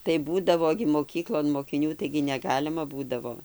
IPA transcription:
tɐɪ ˈbuːdɐʋoː ɡʲɪ moːˈkʲiːklˠoːn moːkʲɪˈnʲuː tɐɪɡʲɪ nʲɛˈɡɑːlʲɪmɐ ˈbuːdɐʋoː

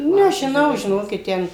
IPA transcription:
nʲɛʒʲɪˈnɐʊ ʒʲɪˈnoːkʲɪt ˈtʲɛn

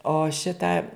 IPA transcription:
oː ˈʃʲɪtɑː

